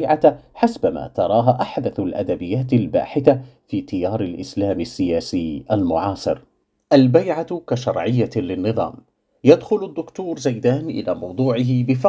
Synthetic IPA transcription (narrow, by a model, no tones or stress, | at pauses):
ʕaħasbama̰ːt̪ɑɾˤɑːɦaʔaħd̪aθalʔa̰d̪abɪjːaːt̪alba̰ːħɪθafiːt̪ˤɪjːɑːɾalʔɪslaːmasːɪjaːsiːʔalmʊʕɑːsˤɨ̰ɾ | ʔalbajʕakaʃɑɾˤʕɪjːalɪnːɨðˤɑ̰ːm | jad̪xʊlad̪ːʊkt̪uːɾzajd̪aːnʔɪ̰la̰ːmɑwd̪ˤuːʕɪɦɪbɪfɑ